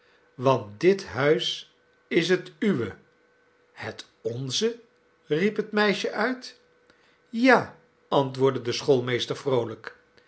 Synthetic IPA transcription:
ʋɑnt̚dɪtɦœɥs | ɪs̬ɦətyʋə | hət | ɔnzə | ripɦətmɛjʃəʔœɥt | jaː | ɑntʋʊːɹdədəsχolˠmejstəɹfrowlək

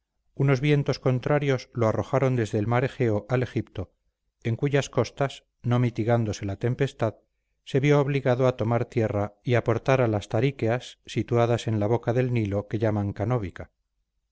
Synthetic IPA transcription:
uno̞zβje̞nt̪o̞sko̞nt̪ɾaɾjo̞zloaro̞xaɾo̞nd̪e̞zðe̞ːlmaɾe̞xe̞oʔale̞xipt̪o̞ | e̞ŋkuʝasko̞st̪as | no̞mit̪iɣand̪o̞se̞lat̪e̞mpe̞st̪að | se̞βjo̞ːβliɣaðoat̪o̞maɾt̪je̞raiapo̞ɾt̪aɾalast̪aɾikeasːit̪uaðase̞nlaβo̞kaðe̞lnilo̞ke̞ʎamaŋkano̞β̞ika

